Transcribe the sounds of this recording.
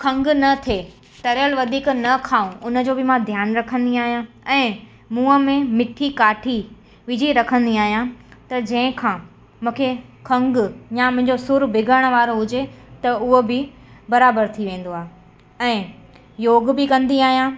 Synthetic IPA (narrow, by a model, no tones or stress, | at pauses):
kʰɐ̃ŋɡnɐt̪ʰe | t̪ɐɾjəlʋɐd̪ʱiːknɐkʰaːũʔʊnə̆d͡ʑoːbɪmãd̪ʱjaːnɾɐkʰə̃nd̪iaːɦijã | ɛ̃ː | mũːəmẽmɪʈʰikaːʈʰi | ʋɪd͡ʑiɾɐkʰə̃nd̪iaːɦijãt̪ɐd͡ʑɐ̃ɦɪ̃kʰãː | mũːkʰekʰɐ̃ŋɡjamʊ̃ɦɪ̃ɲd͡ʑosʊɾbʱɪɡəɽ̃ʋaːɾoɦʊd͡ʑet̪ɐʊɦobɪ | bɐɾaːbəɾt̪ʰiʋẽːn̆d̪oaːɦe | ɛ̃ː | joːɡbɪkɐ̃nd̪iaːɦijã